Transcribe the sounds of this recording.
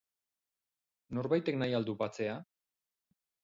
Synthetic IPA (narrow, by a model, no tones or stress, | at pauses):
no̞ɾβajt̪e̞knajald̪upat͡se̞a